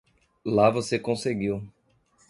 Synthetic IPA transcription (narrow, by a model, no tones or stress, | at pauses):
lavosekõseɡiw